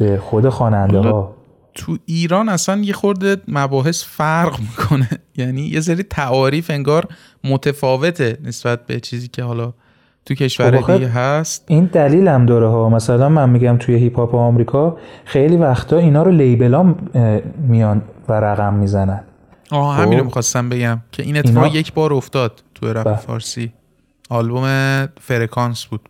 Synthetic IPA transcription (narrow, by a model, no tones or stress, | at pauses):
b̥exod̪exɒːnænd̪ehɒː | t̪ʰuiːɾɒːnæsænje̞xo̞ɾd̪emæbɒːɦe̞sfæɾɢmikʰo̞nejæniːjʔes̬eɾiːt̪ʰæʔɒːɾiːfe̞ŋɡɒːɾ | mot̪ʰefɒːve̞t̪ʰe̞ne̞sb̥æt̪̚be̞̰t͡ʃʰiːziːcʰe̞hɒlɒ | t̪ʰucʰe̞ʃvæɾxiɡeɦæst̪̚ind̪æliːlæmd̪ɒːɾeɦɒːmæsælænmænmiɟæmt̪ʰujeɦipʰɒːpeɒmɾiːkʰɒxejliːvæxt̪ʰɒːinɒːɾolejbe̞lɒm | mijɒnvæɾæɣæmːizænæn | ɒːɦæmiːnɾomixɒst̪æmbe̞ɟæmcʰe̞ʔineefɒje̞cʰbɒːɾo̞ft̪ɒːd̪̥̚t̪ʰueɾæefɒ̰ːɾsiː | ɒlbome̞feɾekʰɒnsb̥uːd̪̥